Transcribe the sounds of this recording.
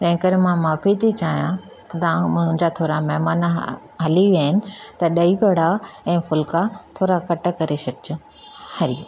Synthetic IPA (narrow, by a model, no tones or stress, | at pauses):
t̪ɐ̃ɦɪ̃kɐɾmãmaːfit̪ʰit͡ɕaːɦjã | t̪ɐt̪ãːmʊ̃ɦɪ̃d͡ʑat̪ʰoːɾamɛɦmaːn | ɦɐliʋiaːɦɪnɪ̆t̪ɐɗɐiʋɐɽ̤aɛ̃ːfʊlkat̪ʰoːɾakɐʈəkɐɾesɐkɪt͡ɕʊ | hɐɾi